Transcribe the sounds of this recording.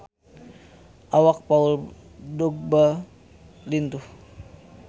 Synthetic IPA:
ʔawak̚paul | dɔk̚ba | lint̪uh

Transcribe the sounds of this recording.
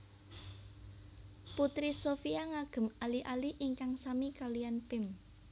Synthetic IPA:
put̪ɾisofiaŋaɡ̥ə̤maliʔaliʔiŋkaŋsamikalijanpɪm

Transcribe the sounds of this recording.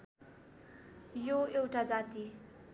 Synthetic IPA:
joewʈad͡zat̪i

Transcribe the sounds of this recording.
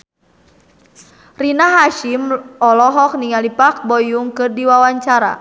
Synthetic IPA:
rinaɦaʃimɔlɔɦɔk̚niŋalipak̚bɔjuŋkɨrdiwawaɲt͡ʃaɾa̰

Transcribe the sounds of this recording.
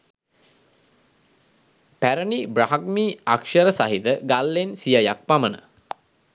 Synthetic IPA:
pæɾənibraɦakmiːakʃəɾəsaɦid̪əɡalːensijajak̚pamənə̰

